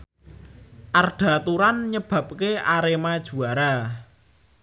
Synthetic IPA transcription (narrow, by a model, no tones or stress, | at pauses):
ʔarɖ̥a̤t̪uɾanɲəb̥ä̤p̚keʔaɾemad̥ʒ̥ṳaɾa